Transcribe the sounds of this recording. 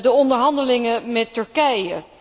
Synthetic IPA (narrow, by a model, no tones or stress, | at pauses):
dəɔndəɹɦɑndəlɪŋəmɛtːɵɹkɛjə